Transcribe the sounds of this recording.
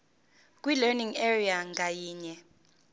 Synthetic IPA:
kʼwilɛniŋɛriaŋʱajiːɲɛ

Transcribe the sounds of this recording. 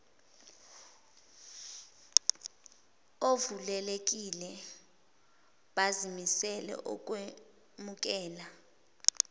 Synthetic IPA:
ovulɛlek̬ʼilɛ | ɓazimisɛlɛ̰ʔɔ̰k̬ʼwe | muk̬ʼɛːla

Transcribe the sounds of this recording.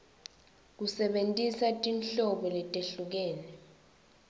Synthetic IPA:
k̬usɛɓentʼisatʼinɬɔɓɔlɛtʼeɬuk̬ɛːnɛ

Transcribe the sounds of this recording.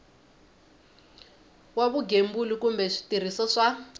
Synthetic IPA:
waβuɡembulikumbɛʂi̥tir̤isɔʂa

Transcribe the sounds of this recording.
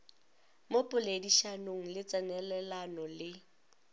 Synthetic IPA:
mopʼʊlediʃanoŋ̩lɪt͡sʼɛnɛlɛlanɔlɪ

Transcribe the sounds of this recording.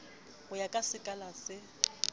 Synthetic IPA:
hʊjakʼasɪkʼalasɪ

